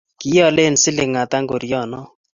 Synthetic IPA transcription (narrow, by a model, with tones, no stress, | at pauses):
kɪ˨˦jɔ˦˨le˦˨nsɪ˦lɪ˨ŋa˨t̪a˦ŋɡo˨ɾjɔ˨nɔ˦